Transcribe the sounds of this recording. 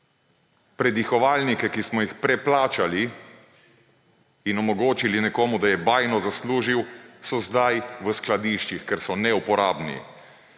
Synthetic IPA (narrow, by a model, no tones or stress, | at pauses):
pɾɛd̪ixɔʋaːlnikɛkismɔjixpɾɛplaːt͡ʃali | nɔmɔɡoːt͡ʃilinɛkoːmud̪ajɛbaːjnɔzasluːʒiwsɔzd̪ajʋəsklad̪iːʃt͡ʃixkɛɾsɔnɛupɔɾaːbnḭ